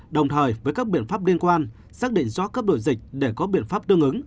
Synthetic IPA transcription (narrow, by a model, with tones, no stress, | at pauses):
ɗə˨˩wŋ͡mt̪ʰəː˨˩jvəː˨˦jkaː˦˥k̚ɓḭ˧˨ənfaː˦˥p̚li˧ənkwaː˧n | saː˦˥k̚ɗḭ̈˧˨ŋ̟zɔ˨˦kəː˦˥ɗo̰˧˨jzï˨˩k̚ɗe˧˩kɔ˨˦ɓḭ˧˨ənfaː˦˥p̚t̪ɨ˧əŋʔɨ˨˦ŋ